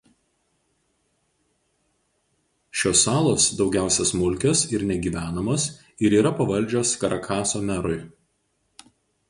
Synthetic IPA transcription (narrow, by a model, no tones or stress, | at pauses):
ʃʲoːsːɑːlˠoːsd̪ɒʊɡʲæˑʊsʲɛsmʊlʲkʲosɪɾnʲɛɡʲiːʋʲæːnɐmoːs | ɪɾiːɾɐpɐʋɐlʲˑd͡ʒʲoːskɐɾɐkʰɑːsoːmʲɛɾʊɪ